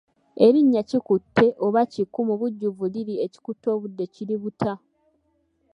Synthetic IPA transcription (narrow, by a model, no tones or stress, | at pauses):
e̞ɾiɲːacikutʰːe̞ʔo̞βacikːumuβuɟːuvuliɾieci̥kutːo̞ːβudːe̞ciɾiβutʰa